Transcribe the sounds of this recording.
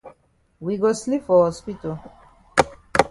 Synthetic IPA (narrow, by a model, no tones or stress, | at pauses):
wiɡoslifɔhɔspito